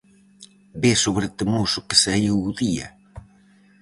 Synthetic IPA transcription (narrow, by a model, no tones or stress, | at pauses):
besoβɾet̪ɪmusʊkɪ̥saiwuðiɐ̰